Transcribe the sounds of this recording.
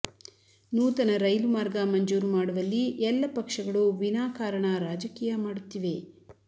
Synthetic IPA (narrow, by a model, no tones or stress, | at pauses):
nuːt̪ɐnɐɾɐjlumaːɾɡɐmɐɲd͡ʒuːɾumaːɽuʋɐlːiʔɛlːɐpɐkʂɐɡɐɭuʋinaːkaːɾɐɳɐɾaːd͡ʒɐkiːjɐmaːɽut̪ːiʋe̞